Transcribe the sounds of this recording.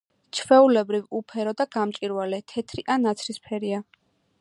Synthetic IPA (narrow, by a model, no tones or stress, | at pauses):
t͡ʃʰvɛulɛbɾivupʰɛɾɔd̪aɡ̥amt͡ʃʼiɾwalɛt̪ʰɛt̪ʰɾiʔanat̪sʰɾispʰɛɾia